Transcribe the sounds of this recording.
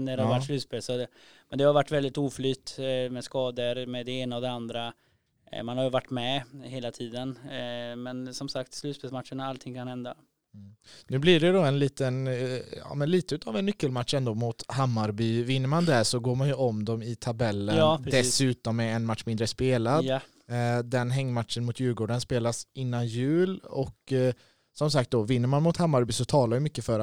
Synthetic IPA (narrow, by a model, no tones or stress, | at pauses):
næɾhaɾvaʈslʉ̟ːt̪speːlsɔ | mɛnd̪ɛhaɾvaʈːvɛld̪ɪt̪uːflyːt̪mɛskɑːd̪əɾmɛd̪ɛeːnaɔd̪ɛand̪ɾa | manhaɾjɵvaʈːmɛheːlat̪ʰiːd̪ənmɛnsɔmsakt̪slʉt̪speːlsmat̪ʂəɳaalt̪ʰɪŋːkʰanhɛnd̪a | nʉ̟ːblɪɖɛd̪ɔɛnliːt̪ənɑ̰ːmɛnliːt̪əʉ̟t̪ʰavɛnːʏkːəlmat̪ʂɛnd̪oːmʊt̪hamːaɾbyːvɪnːəɾmand̪æsɔɡoːɾmanjɵɔmd̪ɔmɪt̪ʰabɛlːənːɾd̪ɛsʉ̟ːt̪ɔmːɛɛnmat̪ːʂmɪnd̪ɾəspeːlad̪ | d̪ɛnɦɛŋːmat̪ʂənmʊt̪jʉ̟ːlɡoːɖənspeːlasɪnːanjʉ̟ːlɔk | sɔmsak̚t̪̚d̪ɔvɪnːəɾmanmʊt̪hamːaɾbyːsɔt̪ʰɑːlaɾjɵmʏkːəfœɾ